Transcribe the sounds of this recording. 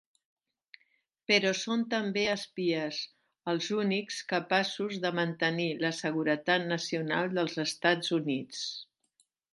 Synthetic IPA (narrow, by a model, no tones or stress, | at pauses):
pəɾɔsont̪əmbeəspiəz | əlˠzunikskəpasuzðəmənt̪əniləsəɣ̞uɾət̪at̪̚nəsiuna̰lˠd̪əlˠzəst̪ad͡zunit͡s